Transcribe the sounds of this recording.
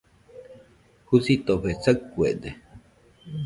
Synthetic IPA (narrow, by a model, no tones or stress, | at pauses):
husit̪oɸet͡sakːuḛd̪e